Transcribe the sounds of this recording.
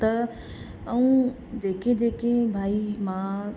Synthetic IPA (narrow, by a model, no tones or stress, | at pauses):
t̪ɐ | ɐũː | d͡ʑeːked͡ʑeːkebʱaːimã